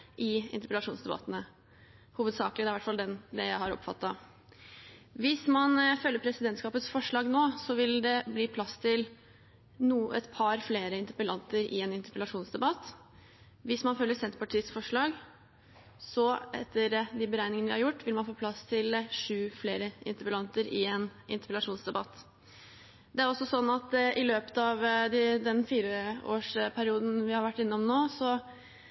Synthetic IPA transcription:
ʔɪɪ̰nt̪əɾpəlɑʂuːnsd̪ɛbɑ̰t̪ːənə | huːʋəd̪sɑ̰ːklɪd̪ɛæɾʋæʈfɑld̪ɛnd̪ɛjæɪhɑɾɔ̰pːfɑ̰t̪ːɑ | ʋɪsmɑnfœlːəɾpʰɾɛsɪd̪ɛnt̪skɑːpət̪sfɔʂɭɑːɡnoːsɔʋɪld̪ɛbliːpʰlɑst̪ʰɪl | nuːɛ̰t̪pʰɑɾfleːɾəɪnt̪əɾpəlɑnt̪əɾɪ̰ɛnɪnt̪əɾpəlɑʂuːnsd̪ɛbɑt̪ː | ʋɪsmɑnfœlːəɾsɛnt̪əpʰɑʈʰiːəsfɔʂɭɑːɡ | sɔɛt̪ʰːəɾd̪ɪbəɾæɪnɪŋənəʋɪhɑɾjʊʈːʋɪlmɑnfoːpʰlɑst̪ʰɪlʂʉːfleːɾəʔɪ̰nt̪əɾpəlɑnt̪əɾɪɛːnʔɪnt̪əɾpəlɑʂuːnsd̪ɛbɑt̪ː | d̪ɛæɾɔsːɔsɔnːɑt̪ʔɪløːpə̥t̪ɑʋd̪ɪd̪ɛnfiːɾəo̰ːʂpʰæɾɪuːd̪n̩ʋɪhɑɾʋæʈːɪnːɔmnoːsɔ

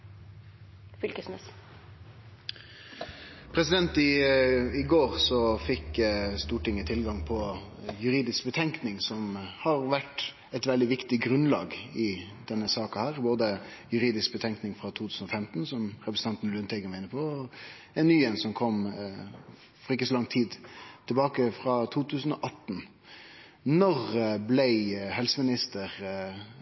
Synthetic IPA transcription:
fʏlkəsmɛs | pʰɾɛsɪd̪ɛnt̪ɪɪɡoːʁsɔfɪkːst̪uːʈɪŋːət̪ʰɪlɡɑŋpʰɔjʉɾiːd̪ɪskbət̪ʰɛŋknɪŋsɔmhɑɾʋæʈ | ɛt̪ʋɛld̪ɪʋɪkt̪ɪɡɾʉnlɑ̰ːɡɪd̪ɛnːəsɑːkɑhæːʁboːd̪əjʉɾiːd̪ɪsk̚bət̪ʰɛŋknɪŋfɾɑt̪ʰuːt̪ʰʉːsn̩ɔfɛmt̪n̩sɔmʁɛpɾsn̩t̪ʰɑnt̪n̩lʉːnt̪ʰɛɡəmæɪnəpʰɔɔ | ɛnːyːɛnsɔmkʰɔm | fɔɾɪkəsɔlɑŋt̪ʰiːd̪t̪ʰɪlbɑːkəfɾɑt̪ʰuːt̪ʰʉːsn̩ɔʔɑt̪n̩ | nɔʁblæɪhɛlsəmɪnɪst̪əʁ

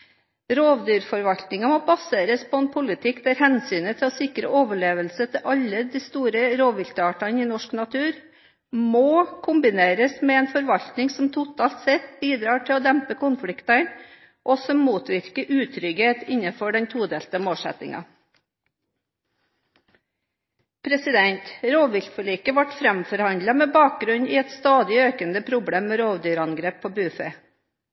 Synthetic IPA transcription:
ɾoːʋd̪yːɾfɔɾʋɑʎt̪nɪŋɑmoːbɑseːɾəspʰoɛːnpʰʊlɪt̪ʰɪkd̪æɾhɛnsyːnət̪ʰɪɔːsɪkɾə̰ʔoːʋəɭeːʋəlsət̪ʰɪʔɑlːəd̪iːst̪uːɾəɾoːʋʋɪlt̪əɑːʈɑniːnɔʂknɑt̪ʰʉːɾ | moːkʰʊmbɪneːɾəsmɛːeːnfɔɾʋɑʎt̪nɪŋsɔmt̪ʰʊt̪ʰɑːlt̪sɛt̪biːd̪ɾɑːʈʰɪɔːd̪ɛmpəkʊnfɽɪkt̪ɑn | ʔɔːsɔmːuːt̪ʋɪɾkəʔʉːt̪ʰɾʏɡheːt̪ɪɲɑfɔɖɛɲt̪ʰuːd̪eːlt̪əmoːlsɛ̰t̪ɪ̰ŋɑ̰ | pʰɾɛsɪd̪ɛnt̪ɾoːʋʋɪʎkfɔɭiːkəʋɑʈfɾɛmfɔɾhɑnd̪lɑmeːbɑːk̚ɡɾʉniːɛt̪st̪ɑːd̪ɪøːkənd̪əpʰɾʊbɽeːmːeːɾoːʋd̪yːɾɑnɡɾeːpʰːoːbʉfḛː

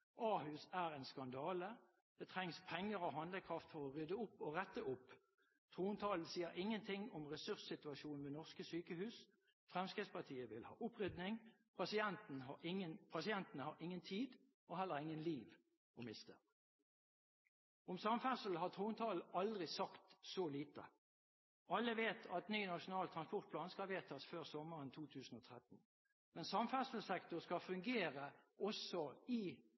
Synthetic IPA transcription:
ʔɑːhʉːsæːʁɛːnskɑnd̪ɑːlə | d̪̥ɛt̪ʰʁɛŋspʰɛŋːəʁoɦɑnd̪ləkʰʁɑft̪fɔʁɔʁʏd̪əʊpːoʁɛt̪ːəʔʊpː | t̪ʰʁuːnt̪ʰɑːln̩siːəʁɪŋːənt̪ʰɪŋɔmʁɛsʉʁssɪt̪ʉɑʃuːnn̩ʋeːnɔʁskəsyːkəhʉːs | fʁɛmskʁiːspʰɑʁt̪ʰiːəʋɪlhɑ̰ːʔʊpʁʏd̪nɪŋ | pʰɑsɪɛnt̪n̩ɪənpʰɑsɪɛnt̪ənəhɑɾɪŋːənt̪ʰiːd̪ | ɔɦɛlːəʁɪŋənliːʋ | ɔmɪst̪ʰə̰ | ɔmsɑmfæsl̩hɑt̪ʰuːnt̪ʰɑːlɑld̪ʁɪsɑkt̪sɔliːt̪ə̰ | ɑlːəʋeːt̪ʰɑt̪nyːnɑʂʊnɑːlt̪ʰʁɑnspɔʁt̪̚pʰlɑːnskɑʋeːt̪ʰɑsføːʁsɔmːəʁənt̪ʰuːt̪ʰʉːsn̩ɔːt̪ʰʁɛt̪n̩ | mɛnsɑmfæsəl̩sɛkt̪ʊʁskɑfʉŋɡeːʁəʔɔsɔɪ

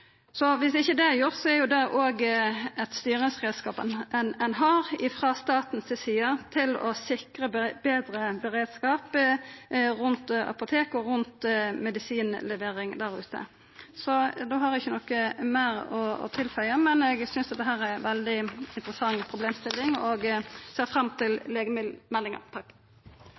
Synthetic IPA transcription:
sɔʋɪsd̪ɪçːəd̪ɛjʊʁt̪sɔɛɾjʊd̪ɛʔoːɡɛt̪st̪yːʁənsʁeːd̪skɑːpənɛnɛnɦɑːɾɪfɾɑːst̪ɑːt̪n̩sɪsiːət̪ʰɪlɔ̰sɪkɾəbeːd̪ɾəbɛɾeːd̪skɑːp | ɾʉnt̪ɑ̰pʊt̪ʰeːkɔɾʉnt̪mɛd̪ɪsiːnlɛʋeːʁɪŋd̪æʁʉ̰ːt̪ə̰ | sɔd̪oːɦɑɾɪçːənɔkːəmæːɾɔɔ̰t̪ʰɪlfœʏɑmɛnɛɡsʏnsd̪ɛt̪ːəɦæːʁɛʋɛld̪ɪɪnt̪ʁəsɑŋːpʰɾʊbleːmst̪ɪlːɪŋɔɡseːʁfʁɑmt̪ʰɪlleːɡəmɪmɛlːɪŋɑ̰t̪ʰɑk

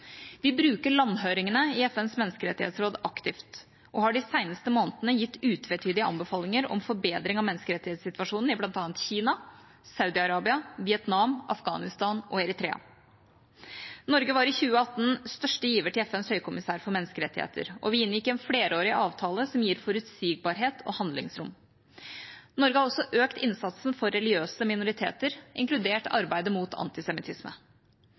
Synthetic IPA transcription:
ʋɪbɾʉːkəɭɑnːɦøːɾɪŋənəɪɛfɛnsmɛnːskəɾɛt̪ːɪhḛːt̪sɾoːd̪ɑkt̪ɪft̪ | ʔɔhɑɖɪsæɪnəst̪əmoːnt̪ənəjɪt̪ːʉːt̪ʰʋɛːt̪ʰyːd̪ɪəɑ̰mbəfɑːlɪŋəɾɔ̰mfɔɾbeːd̪ɾɪŋɑʋmɛnəskəɾɛt̪ːɪheːt̪sɪt̪ʋɑʂuːnn̩ɪblɑnt̪ɑːnt̪çiːnɑ | sɑʉd̪ɪɑɾɑːbɪɑʋɪɛt̪nɑmʔɑfɡɑ̰ːnɪst̪ɑːnʔɔɛɾɪt̪ɾḛːɑ̰ | nɔɾɡəʋɑɾɪçʉːəɑt̪ːn̩st̪œʂʈəjiːʋəʈɪlɛfɛnshœʏkʰʊmɪsæːɾfɔɾmɛnːəskəɾɛt̪ːɪhḛːt̪ʰə̰ɾʔɔ̰ʋɪɪnjɪkːɛnfɽeːɾəoːɾɪʔɑːʋt̪ʰɑːləsɔmjiːɾfɔɾʉt̪siːɡ̚bɑːɾɦeːt̪ʰɔ̰hɑnd̪lɪ̰ŋsɾʊm | nɔɾɡəhɑɾɔsɔʔøːkt̪ɪnsɑt̪snfɔɾːɛlɪøːsəmɪnʊɾɪt̪ʰḛːt̪əɾʔɪ̰ŋklʉd̪eːʈɑ̰ɾbæɪd̪əmuːt̪ʰɑ̰nt̪ɪsɛmɪt̪ʰɪsmə̰

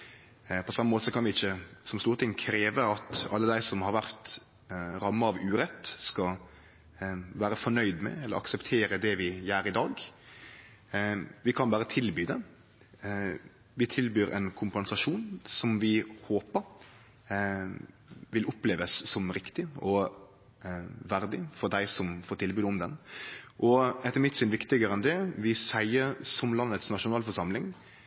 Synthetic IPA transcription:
pʰɔsɑmːəmoːt̪əsɔkʰɑnʋɪɪçːəsɔmst̪uːɾət̪ʰɪŋkʰɾeːʋəɑt̪ɑ̰lːəd̪æɪsɔmhɑɾʋæɾt̪ | ɾɑmːəɑʋʉːɾɛt̪ːskɑ | ʋæːɾəfɔɳœʏd̪mɛ̰ɛlːəɾʔɑ̰ksəpt̪ʰeːɾəd̪ɛʋɪjæːɾɪd̪ɑːɡ | ʋɪkʰɑnbæːɾət̪ʰɪlbyːd̪ɛ | ʋɪt̪ʰɪlbyːɾʔɛ̰nkʰʊmpɛnsɑʂuːnsɔmʋɪhoːpəɾ | ʋɪlʊpleːʋəsːɔmɾɪkt̪ɪɔ | ʋæɾd̪ɪfɔɾd̪æɪsɔmfoːɾʈ̪ʰɪlbʉːd̪əʊmd̪ɛnʔɔɛt̪ːəmɪt̪ːsɪnʋɪkt̪ɪɡəɾəɛnd̪ɛʋɪsæɪəsɔmlɑnːət̪snɑʂʊnɑːlfɔʂɑmlɪŋ

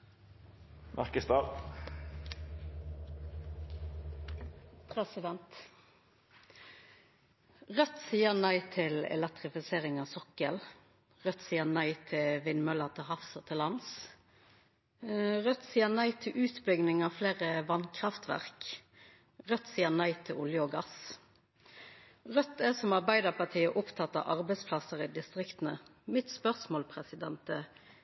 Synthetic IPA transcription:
mʔæ̰ʁkəst̪ɑːʁ | pʰʁɛsɪd̪ɛnt̪ | ʁœt̪siːənæɪt̪ʰɪlɛ̰lɛk̚t̪ʁɪfɪseːʁɪŋɑːʋsɔkəl | ʁœt̪siːəʁnæɪt̪ʰɪlʋɪnmœləʁt̪ʰɪlhɑfsət̪ʰɪlɑns | ʁœt̪ːsiːənæɪt̪ʰɪlʔʉːt̪bʏɡnɪŋɑʋfleːʁəʋɑnkʰʁɑft̪ʋæ̰ʁk | ʁœt̪ːsiːənæɪt̪ʰɪlʔʊljəɔːɡɑs | ʁœt̪ːɛsɔmɑʁbæɪd̪ɑʁpɑʈʰiːəʔʊpt̪ʰɑt̪ːɑ̰ʔɑʁbɛɪspʰlɑsəɾɪd̪ɪst̪ʁɪkt̪nəmɪt̪spœʁsmoːlpʰʁɛsɪd̪ɛnt̪ə

